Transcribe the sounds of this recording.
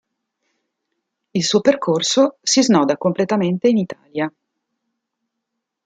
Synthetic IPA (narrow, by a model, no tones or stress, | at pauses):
ilsuːoperkʰorsosiznɔːd̪akomplet̪ament̪einit̪a̰ːlja